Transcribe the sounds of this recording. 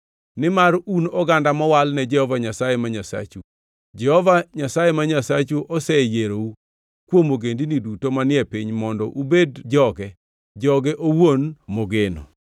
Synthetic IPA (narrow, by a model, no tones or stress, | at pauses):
nɪmaɾunɔɡandamɔwalnɛd͡ʒɛhɔvaɲasajɛmaɲasa̰t͡ʃu | d͡ʒɛhɔvaɲasajemaɲasat͡ʃuʔɔsɛjeɾou | kwomoɡendinidutomanɪɛpiɲmɔndɔʔubedd͡ʒɔɡɛ | d͡ʒɔɡɛʔowonmoɡeno̰